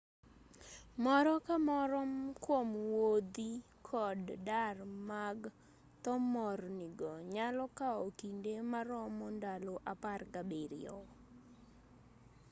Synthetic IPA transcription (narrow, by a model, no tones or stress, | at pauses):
mɔɾɔkamɔɾɔmkwomwod̪i | kʰɔddarmaɡ | t̪ɔmɔrnɪɡɔɲalɔkaokindemaɾɔmɔndalɔʔaparkabeɾɪ̰ɔ̰